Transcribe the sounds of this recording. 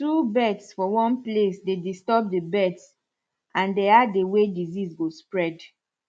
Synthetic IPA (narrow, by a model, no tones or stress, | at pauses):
tubɛtsfɔwɔ̃nplesdedistɔb̚debɛts | ãndeadewedizizɡospɹɛd